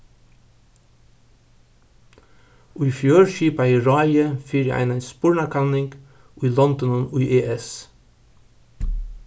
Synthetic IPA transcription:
ʔʉʏfjøːɹʃiːpɑiːɹɑːɪəfiɾjæ̰ʔæ̰ɪnæɪspʊɹɳɑkʰɑlnɪŋɡ | ʔuːiːlɔnd̪ɔnɔnʉːʔeːʔɛs

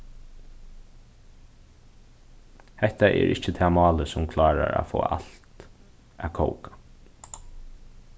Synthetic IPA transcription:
hɛht̪aʔɛɹʔɪht͡ʃət̪ʰɛːmɑːləsʊmkʰlɑːɾaɾafoːʔalt̪ | ʔakʰoʊkḁ

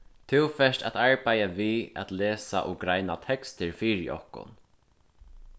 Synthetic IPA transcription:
t̪ʰɪwfɛʂʈat̪aɹpajavia̰t̪lɛːsa̰ʔɔɡɾajnat̪ʰɛkst̪əɹfiːɾɪ̰ʔɔ̰hkʊ̰n

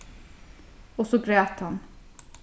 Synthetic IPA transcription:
ɔsɔɡɾeːt̪hɑn

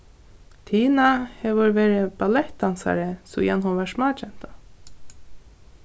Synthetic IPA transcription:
t̪ʰiːnahɛːʋʊɹʋeːɾɪbalɛht̪ansa̰ɾɪsṵjɛnɦɔʋæʂmɑːt͡ʃɛn̥t̪a

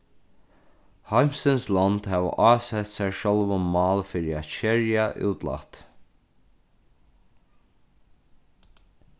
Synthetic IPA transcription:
hajmsənslɔnd̪hæːʋə̰ʔɑːsɛt̪sæɹʃɔlʋɔnmɑːlfiːɹɪat̪t͡ʃɛɹjaʔṵːt̪la̰t̪

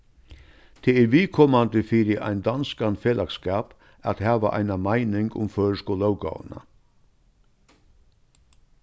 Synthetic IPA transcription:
t̪ʰeɛɾʋiːkʰoːmand̪əfɪɾɪʔa̰ɪnd̪anskanfeːlʔakskaːp | at̪hæːʋa̰ʔa̰jnamaɪnɪŋɡʊ̰mføːɾʂkʊlœwɡa̰ːw̰na̰

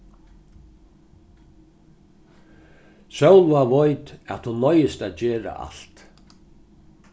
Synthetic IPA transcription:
sœwlvaʋɔjt̪ɛ̰t̪hʊnːɔjɪst̪aːt̪d͡ʑeːɾa̰ʔa̰l̥t̪

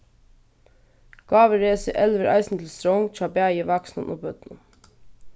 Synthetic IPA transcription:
ɡ̥ɑːʋəɹeːsəʔɛlʋəɾʔɑ̰ɪsn̩t̪ʰl̩st̪ɾɔŋt̪ʰɾɑːbæjəʋɑksnɑ̰nʔo̰ːbœt̪nə

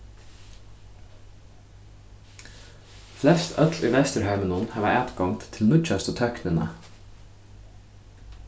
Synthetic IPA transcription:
flɛst̪ʰœt̪lʏjvɛst̪ʏɾɦajmɪnʊnhæːʋaæːt̪ɡɔŋt̪t̪ʰːɪlmʊt͡ʃast̪ət̪ʰœknɪna̰

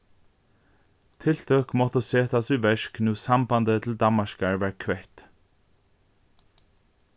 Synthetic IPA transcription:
t̪ʰɪlt̪ʰœkmɔt̪əseːt̪ʰɑsʉːʋɛʃknuːsɑmbɑnd̪ət̪ʰl̩d̪ɑmɑʃkɑɹʋæːɹkʰʋɛt̪

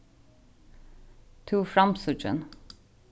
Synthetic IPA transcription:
t̪ʰuːfɹɑmsʉd͡ʒə̰n

